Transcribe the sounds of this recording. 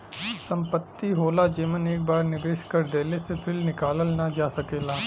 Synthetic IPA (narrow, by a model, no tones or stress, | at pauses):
sɐ̃mpət̪ːiɦoːlad͡ʒeːməneːk̚baːɾnɪbeːʃkɐɾd̪eːlesepʰɪɾnɪkaːləlnɐd͡ʒaːsɐkeːlaː